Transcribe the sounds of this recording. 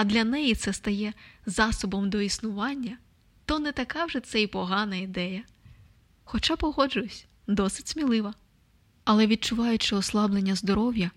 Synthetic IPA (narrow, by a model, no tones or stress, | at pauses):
ɐd̪lʲɐnɛjit̪sɛst̪ɐjɛzɑsɔbɔmd̪ɔisnʊʋɑnʲːɐ | t̪ɔnɛt̪ɐkɑwʒɛt̪sɛipɔɦɑnɐid̪ɛjɐ | xɔt͡ʃɑpɔɦɔd͡ʒʊɔsʲ | d̪ɔsɪ̥tʲsmʲilˠɪʋɐ | ɐlˠɛʋʲid̪̚t͡ʃʊʋɑjʊt͡ʃɪɔslˠɑblˠe̞nʲːɐzd̪ɔɾɔwjɐ